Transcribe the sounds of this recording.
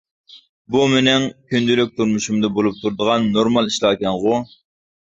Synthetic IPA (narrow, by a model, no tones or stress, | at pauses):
bumɪnɪŋkʲʰynd̪ylyk̚ʲt̪ʰuɾmuʃumd̪ɨbolˠup̚t̪ʰuɾd̪əʁɑnːoɾmɑlˠiʃlˠɑːkʲɛŋʁʊ